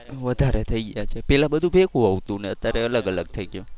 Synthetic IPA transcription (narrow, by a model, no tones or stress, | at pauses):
ʋəd̪ʱaɾet̪ʰəiɡəjat͡ʃʰepɛlãbəd̪ʱũbʱekʰũaʋt̪ũneət̪ːjaɾeələɡələɡ̚t̪ʰəiɡjũ